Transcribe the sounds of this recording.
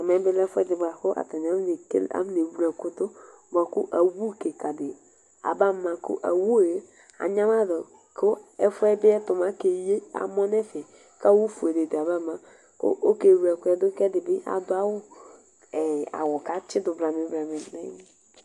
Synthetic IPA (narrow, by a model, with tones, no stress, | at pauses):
a˨m˨ɛ̃˦bɪ˦lɛ˦fʊ˦ɛ˦dɪ˨ba˨kʊ˦ʔa̰˨t̪a˨ɲ˨a˦m˦˨˦a̰˦m˦ne˨wu˨ɾɛ˨kʊ˦d̪ʊ˦ | ba˨kʊ̰˦ʔa˨wu˦ke˨ka˨dɪ˨ | a̰˨ba˦˨mã˨kʊ̰˦ʔa̰˨wu˦˨e˦ | a̰˨ɲã˦ma˦dɔ˨ | kʰo˦ɛ˦fʊ˦ɛ˦bɪ˦ɛ˦t̪ʊ˨mã˦ke˨je˦a̰˨mɔ̃˦nɛ˦fɛ˨ | ka˦wo˦fu˨e˨de˨da˨ba˦˨mã˦ | kʊ̰˦ʔo˦ke˨wu˨ɛ˨kʊ˦ɛ˦d̪ʊ˦kɛ˦dɪ˨bɪ˦ʔa̰˨d̪ʊ˦a˦wʊ˦ | ɛ˨a̰˨wɔ˨ka˦t͡ʃɪ˦d̪ʊ˨bɾa˨mɪ̃˨bɾa˨mɪ˨˦nɛ̰˦